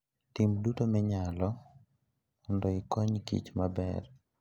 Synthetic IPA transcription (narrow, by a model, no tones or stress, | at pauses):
timdutomɛɲalɔ | ɔndoɪkɔɲkḭt͡ʃmabɛ̰r